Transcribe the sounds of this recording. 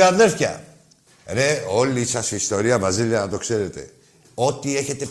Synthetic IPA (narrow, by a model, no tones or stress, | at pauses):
anðeɾθçɐ̰ | neo̞lisɐsiːst̪o̞ɾiɐvɾɐziliɐnɐt̪o̞kse̞ɾe̞t̪e̞̰ | o̞t̪ie̞çe̞t̪e̞